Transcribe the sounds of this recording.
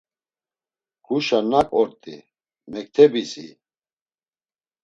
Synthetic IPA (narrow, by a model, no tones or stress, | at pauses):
ɡ̥uʃanakʼɔɾt̪ʼḭ | mɛk̚t̪ʰɛbisḭ